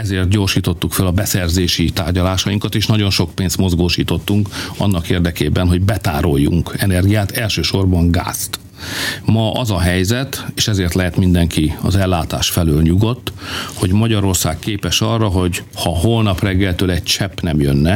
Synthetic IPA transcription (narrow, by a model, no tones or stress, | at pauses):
ɛzeːrt̪̚ɟo̞rʃiːt̪o̞t̪ːukfølɒbɛsɛrzeːʃit̪aːrɟɒlaːʃɒjiŋkɒt̪eːʃnɒɟo̞nʃo̞kpeːnst̪mo̞zɡoːʃiːt̪o̞t̪ːuŋkɒ̰nːɒkeːrd̪ɛkeːbɛnɦo̞ɟbɛt̪aːɾo̞jːṵŋkɛnɛrɡijaːt̪ɛlʃøːʃo̞rbɒŋɡa̰ːst̪ | mɒʔɒzɒɦɛjzɛt̪eːʃɛzeːrt̪lɛɦɛt̪mind̪ɛŋkiɒzɛlːaːt̪a̰ːʃfɛløːlɲuɡo̞t̪ːho̞ɟmɒɟɒɾo̞rsaːkkeːpɛʃɒrːɒɦo̞ɟhɒɦo̞lnɒprɛɡːɛlt̪øːlɛɟt͡ʃɛpːnɛmjønːɛ